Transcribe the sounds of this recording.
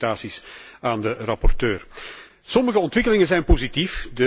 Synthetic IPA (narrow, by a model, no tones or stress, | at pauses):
taːsisaːndərɑpɔrtøːr | sɔməɣəɔntʋɪkəlɪŋənzɛjnpozitifdə